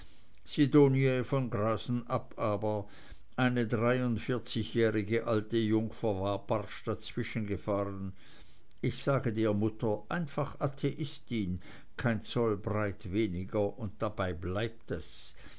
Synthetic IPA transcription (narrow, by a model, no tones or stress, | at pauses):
sidoːniefɔnɡʁaːzn̩ʔapʔaːbɐ | ʔaɪnədʁaɪʊntfɪɐt͡sɪçjɛːʁɪɡəʔaltəjʊŋfɐvaːbaʁʃd̥at͡sv̥ɪʃənɡəfaːʁən | ɪçz̥aːɡədeːɐmʊtʰɐʔaɪnfaχʔatʰeʔɪstin | kʰaɪnt͡sɔlbʁaɪtveːnɪɡɐʊnt̚d̥abaɪblaɪp̚tɛs